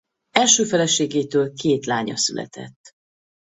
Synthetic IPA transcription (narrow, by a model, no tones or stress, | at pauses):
ɛlʃøːfɛlɛʃeːɡeːt̪øːlkeːt̪laːɲɒ̰sylʔɛ̰t̪ʰɛ̰t̪ː